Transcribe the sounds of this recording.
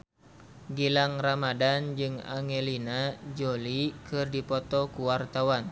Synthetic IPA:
ɡilaŋramadand͡ʒɨŋa̰ŋelinad͡ʒolikʰɨrdipɔt̪ɔkuwart̪awan

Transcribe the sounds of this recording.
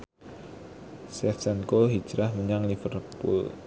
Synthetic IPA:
sɛfsankoɦid̥ʒ̥ɾahməɲaŋlifərpṵl

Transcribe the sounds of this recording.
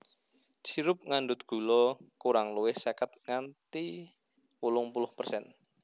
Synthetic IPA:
t͡ʃiɾʊp̚ŋandʊt̪̚ɡ̥ṳlɔkuɾaŋluwɪhsɛkət̪̚ŋant̪i | wulʊŋpulʊhpərsɛn

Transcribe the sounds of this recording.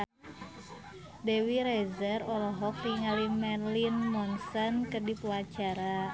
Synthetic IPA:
dewiɾezərɔlɔɦɔkriŋalimɛrlinmɔnsənkərdipuat͡ʃaɾa

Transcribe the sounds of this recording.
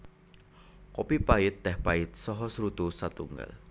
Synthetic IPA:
kɔpipaɪt̪̚d̪ɛhpaɪt̪̚sɔɦɔsɾut̪usat̪uŋɡa̰l

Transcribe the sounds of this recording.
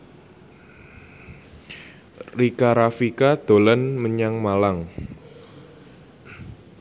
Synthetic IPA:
rikaɾafikad̪̥o̤lənməɲaŋmalaŋ

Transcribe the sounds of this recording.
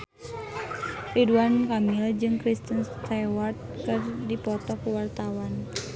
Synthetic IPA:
riduankamild͡ʒɨŋkɾist̪ənst̪awart̪̚kɨrdipɔt̪ɔhkuwart̪awan

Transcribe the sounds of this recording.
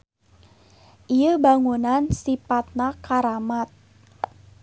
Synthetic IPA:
ʔijəbaŋunansipat̪̚nakaɾamat̪̚

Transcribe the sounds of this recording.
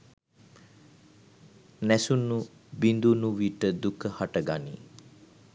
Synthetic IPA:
nɛsunːubind̪unuʋiʈəd̪ukəhaʈəɡani

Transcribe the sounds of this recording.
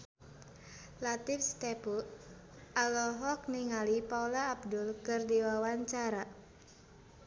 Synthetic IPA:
lat̪ifst̪ɛpu | ʔalɔɦɔk̚niŋalipaulaːb̚dulkɨrdiwawaɲt͡ʃaɾa

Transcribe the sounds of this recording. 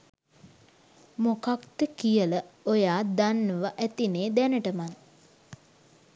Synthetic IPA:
mokakt̪əkijələojaːd̪anːəʋaʔæt̪ineːd̪ænəʈəman

